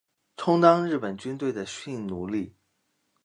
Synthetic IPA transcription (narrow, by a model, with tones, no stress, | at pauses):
ʈ͡ʂʰʊ˥ŋt̪ɑ˥ŋɻɻ̩˥˩pə˨˩nt͡ɕy˥nt̪we˥˩ɪd̪ə˩ɕi˥˩nnu˧˥li˥˩